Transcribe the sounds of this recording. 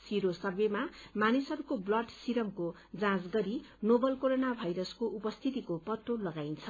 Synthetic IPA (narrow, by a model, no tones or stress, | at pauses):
siɾosʌbjemamanisʌɾukoblʌʈsiɾʌmko | d͡zãsɡʌɾinobʌlkoɾonabʱajɾʌskoʔupʌst̪ʰit̪ikopʌt̪ːolʌɡajnt͡sʰʌ